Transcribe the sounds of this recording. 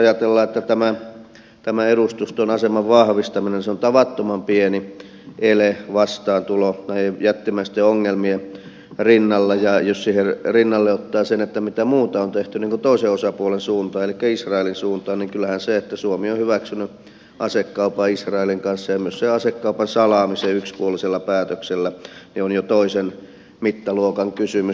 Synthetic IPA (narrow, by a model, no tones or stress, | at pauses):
ɑjɑt̪elːɑːet̪ːæt̪æmæ | t̪æmæerust̪ust̪onɑsemɑʋʋɑhʋist̪ɑminenseont̪ɑʋɑt̪ːomɑmpieni | ʔeleʋɑst̪ɑːnt̪ulonæiejæt̪ːimæist̪eoŋːelmie | rinːɑlːejɑjossiherrinːɑlːeot̪ːɑːsenet̪ːæmit̪æmuːt̪ɑont̪eht̪yniːŋkut̪oˑiseosɑpuolensuːnt̪ɑːelikːæisrɑelinsuːnt̪ɑːniŋkylːˑæhænseet̪ːæsuomiohyʋæksyny | ɑsekːɑupɑisrɑeliŋkɑnsːɑjɑmyøsseɑsekːɑupɑnsɑlɑːmiseykspuoliselːɑpæːt̪økselːænionjot̪oisen | mit̪ːɑluokɑŋkysymy